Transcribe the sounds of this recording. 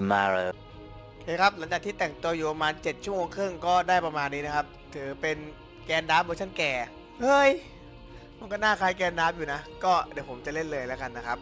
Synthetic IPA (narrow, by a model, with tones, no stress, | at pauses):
ma˧ɾə˧ | kʰe˧˥kʰɾa˦˥p̚la˩˦ŋt͡ɕaː˨˩t̪ʰiː˥˩t̪ɛː˨˩ŋt̪u˧ɐjuː˨˩pa˧maː˧nt͡ɕe˨˩t̪̚t͡ɕʰu˥˩moː˧ŋkʰɯ˥˩ŋkɔː˥˩daː˥˩jpɾa˧maː˧nːiː˦˥na˦˥kʰa˦˥p̚t̪ʰɯː˩˦pe˧n | kɛː˧ndaː˦˥mbo˧t͡ɕʰa˥˩nkɛː˨˩ | hɤː˥˩j | mʰa˧˦kɔː˥˩naː˥˩kʰaː˦˥jkɛː˧ndaː˦˥m̚juː˨˩na˦˥kɔː˥˩di˨˩˦pʰo˩˦mt͡ɕa˨˩le˥˩nlɤː˧jlɛ˦˥ka˧nːa˦˥kʰa˦˥p̚